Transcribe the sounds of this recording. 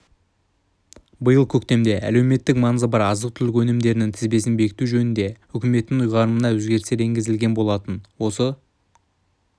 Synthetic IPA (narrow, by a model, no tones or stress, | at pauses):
bəjəlˠkʲʰɵk̚t̪e̞md̪e̞ʔæ̰le̞wme̞t̪ːɪkmɑnzəbɑɾɑzəqt̪ʰʏlɪkwɵnɪmd̪e̞ɾɪnɪŋt̪ʰɪzbe̞sɪnbe̞kʲɪ̥t̪uʒɵnɪnd̪e̞ | ʏkʲɪme̞t̪ːɪŋʊjʁɑɾənənɑwɵzɡʲe̞ɾɪst̪e̞ɾe̞ŋɡʲɪzɪlɡʲenbo̞lˠɑt̪ənwo̞sə